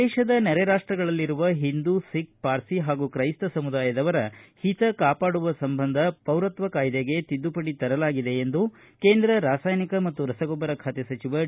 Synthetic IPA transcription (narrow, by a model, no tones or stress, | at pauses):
ɛːʃɐd̪ɐnɛɾɛɾaːʂʈɾɐɡɐɭɐlːiɾuʋɐɦind̪usik̚paːɾsiɦaːɡukɾɐjst̪ɐsɐmud̪aːjɐd̪ɐʋɐɾɐhit̪ɐkaːpaːɽuʋɐsɐmbʱɐnd̪ʱɐpɐwɾɐt̪ʋɐkaːjd̪eɡe̞t̪id̪ːupɐɽit̪ɐɾɐlaːɡid̪eːnd̪u | ke̞ːnd̪ɾɐɾaːsaːjnikɐmɐt̪ːuɾɐsɐɡɔbɐɾɐkʰaːt̪esɐt͡ʃiʋɐ